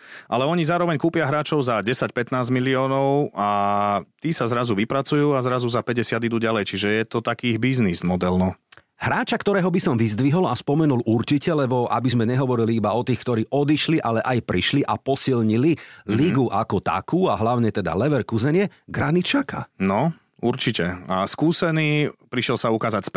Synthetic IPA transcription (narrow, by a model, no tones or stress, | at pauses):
ʔa̰lɛɔɲizaːɾɔʋɛɲkuːpɪaɦɾaːt͡ʃɔʊzaɟɛsacpɛt̪naːzmiliɔːnɔʊat̪iːsazɾazuʋipɾat͡sujuːazɾazuzapɛɟɛsɪad̪id̪uːɟalɛjt͡ʃiʒɛjɛt̪ɔt̪akiːɦbiznizmɔd̪ɛlnɔ | ɦɾaːt͡ʃakt̪ɔɾɛːɦɔbisɔmʋizd̪ʋiɦɔlaspɔmɛnulʔuɾt͡ʃicɛlɛbɔʔa̰bizmɛɲɛɦɔʋɔɾiliibaɔt̪iːxkt̪ɔɾiːʔɔd̪iʃliʔalɛʔajpɾiʃliʔapɔsilɲililiɡuʔakɔt̪a̰kuːaɦlaʊɲɛt̪ɛd̪a̰lɛʋɛɾkuzɛɲɪɛɡɾanit̪t͡ʃaka̰nɔ | uɾt͡ʃicɛaskuːsɛniːpɾiʃɛlsaukaːzacsp